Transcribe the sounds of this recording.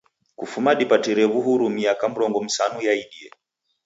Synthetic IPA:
kufumaɗipatiɾɛβuɦuɾumiakam̩ɾɔŋɡɔm̩sanujaiɗiɛ

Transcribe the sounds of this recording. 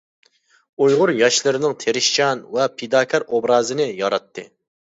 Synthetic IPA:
ujʁʊɾjɑʃlˠɨɾɪnɪŋt̪ʰeɾɪʃt͡ʃɑnvɛpʰed̪ɑːkʲʰɑɾobɾɑːzɨnɨjɑɾɑt̪ʰːɨ̰

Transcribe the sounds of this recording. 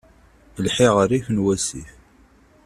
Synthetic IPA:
lħɪʁəɾifənwæsḭf

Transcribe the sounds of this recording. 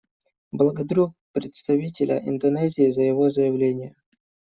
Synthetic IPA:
blˠəɡɐd̪ɾuk̚pɾʲɪt̪st̪ɐvʲitʲɪlʲə̰ʔɪ̰nd̪ɐnɛzʲɪːzəjɪvo̞zəjɪvlʲenʲɪjə

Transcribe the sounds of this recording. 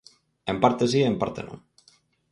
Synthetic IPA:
empaɾt̪es̬iempaɾt̪ḛnõ̰ŋ

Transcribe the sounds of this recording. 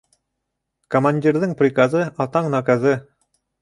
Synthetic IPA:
komanʲdʲirðɘŋprʲikazɤɑt̪ɑɴnɑkazɤ

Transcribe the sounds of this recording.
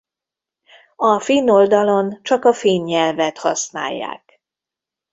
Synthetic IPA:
ɒfinːo̞ld̪ɒlo̞nt͡ʃɒkɒfiːnɲɛlvɛt̪hɒ̰sna̰ːjːa̰ːk

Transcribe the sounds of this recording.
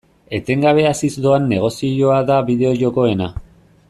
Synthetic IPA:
e̞t̪e̞ŋɡaβe̞asizd̪oanːe̞ɣ̞o̞sio̞aðaβiðe̞o̞ʝo̞ko̞e̞na

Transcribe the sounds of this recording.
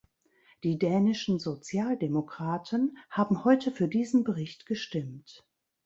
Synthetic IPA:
d̥iːdɛːnɪʃn̩zot͡sjaːldemokʁ̥aːtʰənhaːbm̩hɔʏtʰəfyːɐdiːzn̩bəʁɪçtɡ̥əʃtɪmt

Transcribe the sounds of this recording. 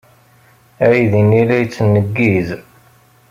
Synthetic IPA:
æiðinilæjt͡sːnːəɡːiz

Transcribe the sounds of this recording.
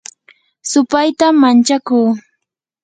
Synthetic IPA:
sʊpajt̪amant͡ʃakuː

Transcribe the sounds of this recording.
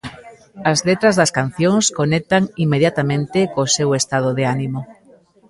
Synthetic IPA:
azlet̪ɾazðɐskan̟θjõŋskonek̚t̪aŋimːeðjat̪amẽnt̪ekosewest̪að̞oðeanimo

